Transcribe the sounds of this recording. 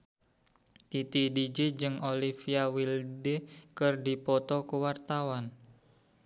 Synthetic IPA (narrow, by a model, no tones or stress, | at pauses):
t̪it̪idid͡ʒid͡ʒɨŋolifiawildekərdipɔt̪ɔkuwart̪awan